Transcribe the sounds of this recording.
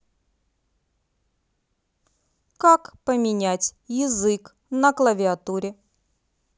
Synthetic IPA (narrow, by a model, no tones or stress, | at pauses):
kakpəmʲɪnʲætʲjɪzɨk | nəklˠəvʲɪɐt̪uɾʲɪ